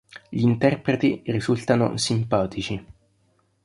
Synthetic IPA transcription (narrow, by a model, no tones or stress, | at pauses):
ʎiːnt̪ɛrpɾet̪irizult̪ano̰simpaːt̪it͡ʃi